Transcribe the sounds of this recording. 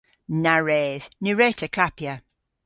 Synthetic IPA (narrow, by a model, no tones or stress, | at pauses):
naɹɛːðniɹɛtʰəkʰlapjə